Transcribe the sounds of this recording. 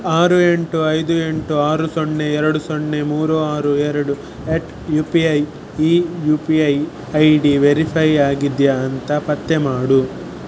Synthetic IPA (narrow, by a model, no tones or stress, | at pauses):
aːɾue̞ɳʈuɐjd̪ue̞ɳʈuaːɾusoɳːeɛɾɐɽusoɳːemuːɾuaːɾuɛɾɐɽu | eʈ | juːpiɐj | ijupiɐj | ɐjɖiʋeɾipʰɐjaːɡid̪jɐːnt̪ɐpɐt̪ːemaːɽu